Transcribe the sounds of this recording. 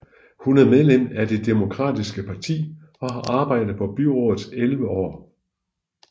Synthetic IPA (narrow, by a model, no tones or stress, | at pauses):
hunæɐmeð̞ˠlem̰æd̥e̝d̥emo̝kʰʁɑ̰̈ːd̥isɡ̥əpʰɑ̈t͡sʰḭː | ɒ̽ɦɑ̈ʔɑ̈ːb̥ɑ̈ɪ̰d̥ð̩ˠpʰɒ̽b̥yʁɔːð̩ˠselʋəɒ̰ː